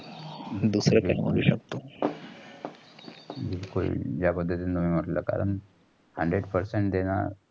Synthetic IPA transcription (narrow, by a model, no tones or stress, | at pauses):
d̪usɾəkamo̰ɾuɕəkt̪o | bilko̰d͡ʑjapəd̪ʱːət̪int̪umiːm̤əʈləka̰ɾəɳ | həɳɖɾeɽpəɾseɳʈd̪ena̰